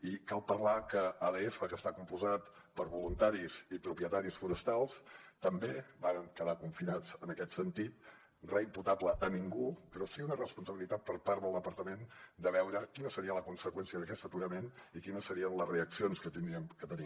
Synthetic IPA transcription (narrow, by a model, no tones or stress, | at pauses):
ikalˠpərlakəaðeefəkəst̪akumpuzat̪pəɾβulunt̪aɾizipɾupiət̪aɾisfuɾəst̪alˠst̪əmbeβaɾəŋkəðakuɱfinat͡sənəkɛt̪sənt̪it̪̚ | rɛimput̪apləʔːniŋɡupɾɔsiunərəspunsəβilit̪at̪̚pəɾpaɾəlˠd̪əpəɾt̪əmend̪əβɛwɾəkinəsəɾiələkunsəkwɛnsiəðəkɛst̪ət̪uɾəmenikinəsəɾiənləsreəksionskət̪iniəmkət̪əni